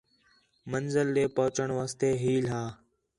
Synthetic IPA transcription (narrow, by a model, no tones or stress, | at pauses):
mənzəlɗeːpəːʊt͡ʃəɳʋaːst̪eːɦiːlɦaː